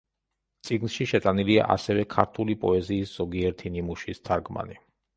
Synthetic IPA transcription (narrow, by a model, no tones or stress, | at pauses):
t̪sʼiɡnʃiʃɛt̪ʼanilia̰ʔasɛvɛkʰaɾt̪ʰulipʼɔɛziːsz̥ɔɡiɛɾt̪ʰinimuʃist̪ʰaɾɡma̰ni